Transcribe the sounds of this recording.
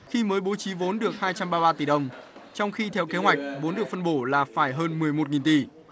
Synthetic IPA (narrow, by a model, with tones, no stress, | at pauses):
xi˧məː˨˦jɓo˨˦t͡ɕi˨˦vo˨˦nɗɨ˨˩ək̚haː˧jt͡ɕa˧mɓaː˧ɓaː˧t̪i˧˨˩ɗə˧˩wŋ͡mt͡ɕɔ˧wŋ͡mxi˧t̪ʰɛ˧wke˨˦ɦwa˨˩jk̟̚vo˨˦nɗɨ˨˩ək̚fə˧nɓo˧˩laː˨˩faː˧˩jɦəː˧nmɨ˨˩əjmo˨˩t̚ŋi˨˩nt̪i˧˩